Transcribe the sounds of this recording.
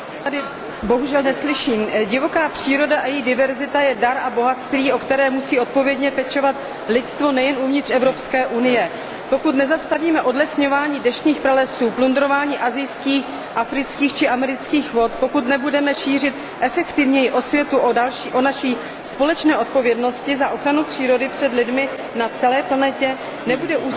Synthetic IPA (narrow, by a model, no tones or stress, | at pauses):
t̪adɪ | bo̞ɦuʒɛlnɛslɪʃiːmɟɪvo̞kaːpr̝̥iːɾo̞daʔajɛjdɪvɛɾzɪt̪ajɛdaɾʔabo̞ɦat̪st̪viːʔo̞kt̪ɛɾɛːmusiːo̞t̪̚po̞vjɛdɲɛpɛt͡ʃo̞vat̪ | lɪt̪st̪vo̞nɛjɛnuvɲɪt̪rɛvɾopskɛːʔunɪjɛ | po̞kut̪nɛzast̪aviːmɛʔo̞dlɛsɲo̞vaːɲiːdɛʃɲiːxpɾalɛsuːplund̪ɾo̞vaːɲiːʔazɪjskiːx | ʔafɾɪt͡skiːxt͡ʃɪʔamɛɾɪt͡skiːxvo̞t̪po̞kut̪nɛbudɛmɛʃiːr̝ɪt̪ | ʔɛfɛkt̪ɪvɲɛjɪʔo̞svjɛt̪uʔaliʔonaʃiː | spo̞lɛt͡ʃnɛːʔo̞t̪̚po̞vjɛdno̞scɪzaʔo̞xɾanupr̥iːɾo̞dɪpr̝̥ɛdlɪdmɪ | nat͡sɛlɛːplanɛcɛ | nɛbudɛʔu